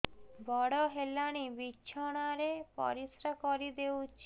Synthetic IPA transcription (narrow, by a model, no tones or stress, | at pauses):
bɔɽɔɦelaɽ̃ibit͡ʃʰɔɽ̃aɾepɔ̰ɾisɾakɔɾid̪ewt͡ʃʰi̥